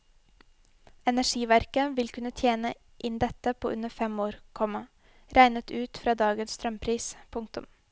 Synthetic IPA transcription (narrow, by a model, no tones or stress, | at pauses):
ɛnæʂiːʋæɾkəʋɪlkʰʉnət̪ʰjeːnə | ʔɪnd̪ɛt̪əpʰoːʔʉnəfɛmoːɾkʰɔmɑ | ɾæɪnət̪ʰʉːt̪fɾɑːd̪ɑːɡənsst̪ɾœmpʰɾiːspʰʊŋk̚t̪ʊ̰m